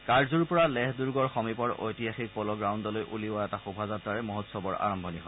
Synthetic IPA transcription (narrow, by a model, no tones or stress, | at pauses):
kaɹzuɹpɔɹalɛɦduɹɡɔɹxɔmipɔɹo̰jtijaxik̚pɔlɔɡɹawndɔlojʔṵliʊwaɛtaxubʱazatːɹaɹɛmɔɦɔtsɔbɔɹa̰ɹɔmbʱɔniɦɔ